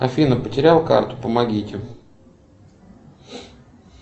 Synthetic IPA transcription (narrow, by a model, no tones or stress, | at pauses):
ɐ̰fʲinəpətʲɪɾʲalˠka̰rt̪ʊ̥pəmɐɡʲitʲɪ